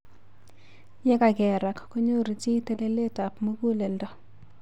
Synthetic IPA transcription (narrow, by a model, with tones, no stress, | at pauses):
jɛ˦ka˨ɡɛ˨ɾa˨kko˦ɲo˦ɾi˨ti˦te˦de˦le˦ta˨pmo˦ɡu˦le˨ldɔ˨